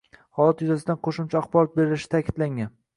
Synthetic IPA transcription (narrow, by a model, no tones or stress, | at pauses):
hɒlˠat̪jʊzas̬ɪd̪anqʰoʃʊmt͡ʃʰaaχbɒɾɒt̪̚be̞ɾɪlɪʃɪ̥t̪ʰakʲʰɪd̪̥laŋan